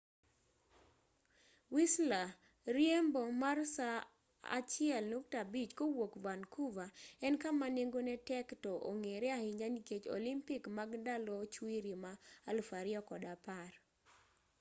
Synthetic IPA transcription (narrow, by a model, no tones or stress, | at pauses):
wisla | ɾjembɔmarsa | a̰t͡ʃɪɛlnoktabit͡ʃkowokvankuvaɛnkamaneŋɡonɛtɛktɔʔo̰ŋeɾeahɪɲaniket͡ʃo̰limpikmaɡndalɔt͡ʃwiɾimaalfaɾɪɔkɔdapar